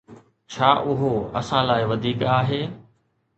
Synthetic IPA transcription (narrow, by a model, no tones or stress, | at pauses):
t͡ɕʰaːʔʊɦoɐ̰sãlaːɪʋɐd̪ʱiːkaːɦeː